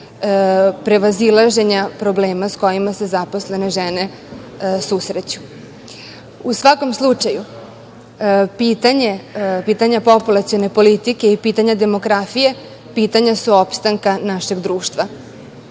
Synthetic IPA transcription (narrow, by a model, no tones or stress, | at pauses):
pɾe̞ʋazilˠaʒe̞ɲapɾo̞ble̞ːmasko̞jimase̞zapo̞sle̞ne̞ʒene̞ | susɾet͡ɕu̥ | usʋako̞mslˠut͡ʂaju | pit̪aɲepiːt̪aɲapo̞pulˠat̪sijo̞ne̞po̞lit̪ike̞ipiːt̪aɲad̪e̞mo̞ɡɾafije̞ | piːt̪aɲasuo̞pst̪aŋkanaʃe̞ɡd̪ɾuːʃt̪ʋa